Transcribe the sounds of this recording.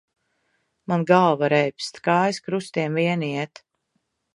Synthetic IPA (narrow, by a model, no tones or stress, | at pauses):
manɡalˠvaɾɛjpst̪kaːjskɾust̪iɛmviɛniɛt̪